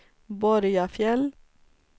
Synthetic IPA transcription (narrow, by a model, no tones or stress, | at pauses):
bɔɾjɑfjɛl